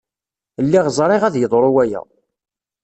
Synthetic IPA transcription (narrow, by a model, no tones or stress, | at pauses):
lːiʁzˤɾˤɪʁæðjəðˤɾˤʊwæjæ̰